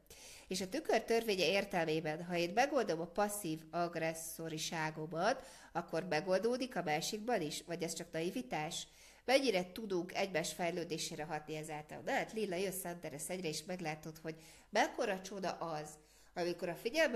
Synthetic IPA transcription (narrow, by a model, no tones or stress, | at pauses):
eːʃɒt̪ykørt̪ørveːɲɛeːrt̪ɛlmeːbɛnɦɒeːnmɛɡo̞ld̪o̞mɒpɒsːiːvɒɡrɛsːo̞ɾiʃaːɡo̞mɒt̪ | ɒkːo̞rmɛɡo̞ld̪oːd̪ikɒmaːʃiɡbɒniʃvɒɟɛst͡ʃɒknɒivit̪aːʃ | mɛɲːiɾɛt̪ud̪uŋkɛɟmaːʃfɛjløːd̪eːʃeːɾɛɦɒt̪̚niɛzaːlt̪ɒ̰lnɛat̪lilːɒjøt̪sɛnt̪ɛɾɛsɛɟrɛeːʃmɛɡlaːt̪o̞t̪ho̞ɟ | mɛkːo̞ɾɒt͡ʃo̞d̪ɒ̰ʔɒz | ɒmiko̞ɾɒfiɟɛlm